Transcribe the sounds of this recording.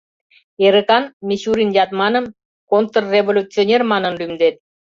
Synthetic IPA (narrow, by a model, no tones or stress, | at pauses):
eɾəkɑnmʲiɕuɾinjɑt̪mɑnəm | kont̪ərːevolʲut͡sionʲermɑnənlymd̪et̪̚